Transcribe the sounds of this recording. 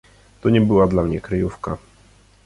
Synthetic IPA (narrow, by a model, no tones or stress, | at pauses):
t̪ɔɲɛbɘwad̪lamɲɛkɾɘjufka